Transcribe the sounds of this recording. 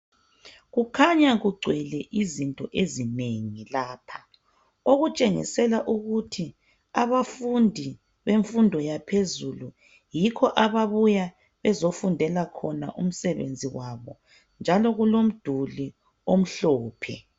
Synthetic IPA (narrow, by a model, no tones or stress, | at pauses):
ɣukʰaɲaɣuɡ͡ǀʱwɛlɛʔizintʼɔʔezineŋilaːpʰḁ | oɣut͡ʃʼeŋḭsɛlaʔuɣutʰi | aβafundʱi | βeɱfundʱɔjapʰezulu | jikʰɔʔaβaβuja | βɛzofundʱɛlakʰɔna̰ʔum̩sɛβḛnd͡zʱiwaβɔ̰ | nd͡ʒʱalɔɣulom̩d̥ʱuli | om̩ɬɔːpʰɛ̰